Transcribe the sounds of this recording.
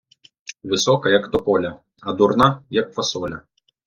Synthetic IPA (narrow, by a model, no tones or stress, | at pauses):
ʋɨsɔkɐjɐkd̪ɔpɔlʲɐ | ɐd̪urnajɐkfɐsɔlʲɐ